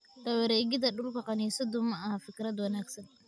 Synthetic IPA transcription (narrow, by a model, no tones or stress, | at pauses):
dɐwɛɾɛːɡɪd̪ɐɗʊlkʰɐqɑniːsɐd̪ʊmɐɐhɐfɪkʰɾɐd̪wɐnaːɡsɐn